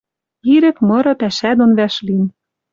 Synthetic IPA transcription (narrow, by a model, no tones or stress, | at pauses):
iɾɘ̆kmɤ̆ɾɤ̆pæʃæd̪onβæʃlin